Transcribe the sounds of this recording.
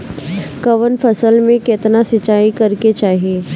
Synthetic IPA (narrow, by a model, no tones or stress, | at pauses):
kɐʋənpʰɐsəlmẽkeːt̪nasɪt͡ʃaːikɐɾket͡ʃaːɦieː